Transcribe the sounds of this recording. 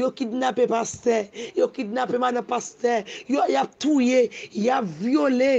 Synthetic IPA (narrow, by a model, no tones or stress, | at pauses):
jokidnapepast̪ɛjokidnapemad̪ɐ̃past̪ɛjojap̚t̪ujejapvjole